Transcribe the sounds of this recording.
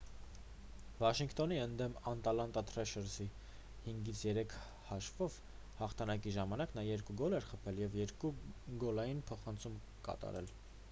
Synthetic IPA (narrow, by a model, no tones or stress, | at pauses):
vɑʃiŋkʰt̪ɔniənd̪ɛmɑnt̪ɑlɑnt̪ɑt̪ʰɾɛʃəɾsi | hiŋɡit͡sʰjɛɾɛkʰ | hɑʃvɔv | hɑχt̪ʰɑnɑk̬iʒɑmɑnɑknɑjɛɾkuɡɔlɛɾχəpʰɛljɛvjɛɾkuɡɔlɑjinpʰɔχɑnt͡sʰum | kɑ̰t̪ɑ̰ɾɛ̰l